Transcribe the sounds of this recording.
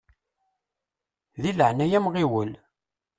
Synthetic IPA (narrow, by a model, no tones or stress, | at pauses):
ðiləʕnæjæmʁiwəl